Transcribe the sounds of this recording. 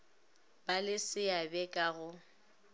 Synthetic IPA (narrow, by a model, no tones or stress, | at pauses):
balɪsɪabɛkʼaɣʊ